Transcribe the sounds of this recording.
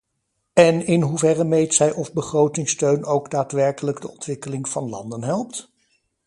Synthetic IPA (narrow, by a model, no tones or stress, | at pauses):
ɛnɪnɦuvɛrəmejtsɛjʔɔvbəχrowtɪŋstøɥnowɡdaːtʋɛɹkələɡdəɔntʋɪkəlɪŋv̥ɑnlɑ̰ndənɦɛlˠp̚t